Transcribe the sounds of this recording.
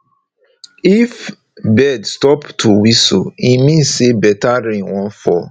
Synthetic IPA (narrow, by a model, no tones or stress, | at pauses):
if | bɛdstɔptʰuwiso̰imĩnsebɛtaɾĩŋwɔ̃nfɔ